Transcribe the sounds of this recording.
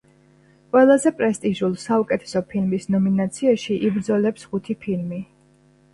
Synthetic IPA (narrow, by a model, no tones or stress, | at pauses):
qʼwɛlˠazɛpʼɾɛst̪ʼiʒulˠsaukʼɛt̪ʰɛ̥sɔpʰilmisnɔminat̪sʰiaʃiʔibɾd̪zɔlɛpsχut̪ʰipʰilmi